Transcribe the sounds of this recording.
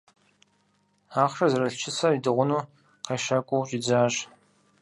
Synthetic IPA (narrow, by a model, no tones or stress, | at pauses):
aːχrɐzɐɾɐɬt͡ʃʰɪsɐidɨʁʷʊnuː | qeːʃɐkʷʼʊwt͡ʃʼid͡zaːɕ